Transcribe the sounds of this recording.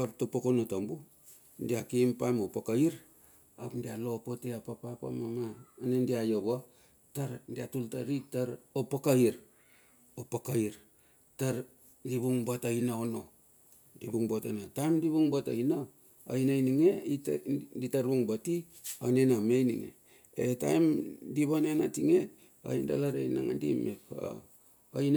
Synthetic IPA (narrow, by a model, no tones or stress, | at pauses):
ap̚topokonotombu | ndiakimpamopakaiɾ | apndialopoteapapapa̰mamaːnendiajoβa | taɾndiatultaɾitaɾopakaiɾ | opakaiɾ | taɾ | diβuŋbatainaono | dibuŋbota̰natajmdiβuŋbata̰ina | o̰inajniŋeitditaɾbuŋbati | onenamejnḭŋḛ | eta̰jmdiβanenatiŋe | o̰inda̰laɾa̰jna̰ŋa̰ndḭmepa̰ | ojn